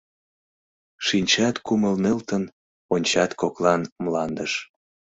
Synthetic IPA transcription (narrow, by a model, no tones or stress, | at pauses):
ʃinʲt͡ɕɑt̪kuməlnelt̪ən | onʲt͡ɕɑt̪koklɑnmlɑnd̪əʃ